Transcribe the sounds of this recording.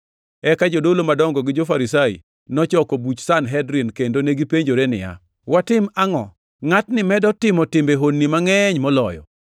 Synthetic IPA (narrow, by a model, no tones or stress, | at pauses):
ɛkad͡ʒodolomadɔŋɡɔɡɪd͡ʒofaɾisaḭ | nɔt͡ʃɔkobut͡ʃsanɦɛdɾinkendoneɡipeɲd͡ʒoɾenɪ̰ja̰ | watɪmaŋɔ | ŋatnɪmɛdɔtɪmɔtɪmbeɦonːimaŋɛɲmɔlɔjɔ̰